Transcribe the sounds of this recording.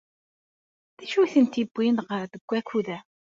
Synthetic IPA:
ðæʃuθənt̪ibʷːinʁəɾðəɡʷːækuðæ

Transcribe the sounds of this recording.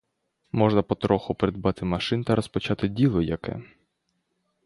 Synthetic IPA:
mɔʒnɐpɔt̪ɾɔxʊpeɾed̪bɑt̪ɪmɐʃɪnt̪ɐɾɔspɔt͡ʃɑt̪ɪdʲilˠɔjɐkɛ̰

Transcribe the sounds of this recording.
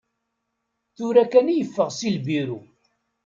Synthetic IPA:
θʊɾækænijəfːəʁsilbiɾu

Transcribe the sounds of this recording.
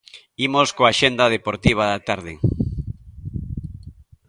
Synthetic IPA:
imoskoaʃend̪aðepoɾt̪iβ̞aðat̪aɾðɪ

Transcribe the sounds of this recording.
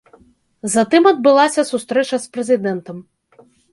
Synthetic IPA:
zɐt̪ɨmɐd̪̚bɨlˠasʲɐsust̪ɾɛt͡ʃɐspɾɛzʲɨd̪ɛnt̪ɐm

